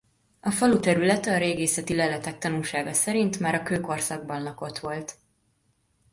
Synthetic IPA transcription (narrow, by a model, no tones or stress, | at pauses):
ɒfɒlut̪ɛɾylɛt̪ɛɒɾeːɡeːsɛt̪ilɛlɛt̪ɛk̚t̪ɒnulʃaːɡɒsɛɾint̪maːɾɒkøːko̞rsɒɡ̚bɒnːɒko̞t̪ʋo̞lt̪